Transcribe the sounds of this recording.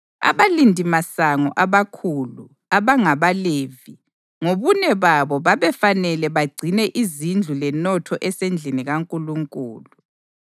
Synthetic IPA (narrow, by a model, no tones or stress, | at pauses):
a̰βalindʱimasaŋɔ̰ʔaβakʰuːlu | aβaŋaβaleːvi | ŋoβunɛβaβɔβaβɛfanɛlɛβaɡ͡ǀʱinɛʔizind͡ɮʱulɛnɔtʰɔʔɛsend͡ɮʱiniɣaŋkʼuluŋkʼṵːlu